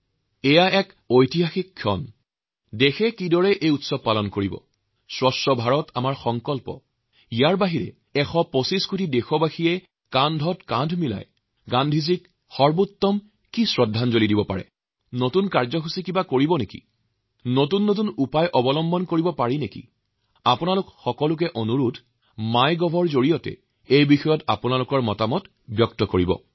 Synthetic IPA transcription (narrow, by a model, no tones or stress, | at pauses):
ɛjaɛk | ojtiɦaxikʰːjɔ̰n | dexɛkidɔɹɛʔejutsɔb̚palɔnkoɹibɔ̰ | sɹɔsɔbʱaɹɔtʰa̰maɹxɔŋkɔlpɔ̰ | ijaɹbaɦiɹɛ̰ | ɛxɔposiskʰutidexɔbaxijɛ | kandʱɔtkandʱmila̰j | ɡandʱizik | xɔɹbutːɔm | kisɹɔdʱːanzolidibɔpa̰ɹɛ̰ | notunkaɹzɔxusikibakoɹibɔnekḭ | notunːot̬unupajʔɔbɔlɔmbɔnkoɹibɔpaɹinekḭ | apʊnalʊkxɔkɔlʊk̬ɛʔonuɹutʰ | majɡɔbʱɔɹzoɹijɔtɛ̰ | ejbixɔjɔta̰pʊnalukɔɹmɔtamɔt | bjɔktɔkoɹibɔ̰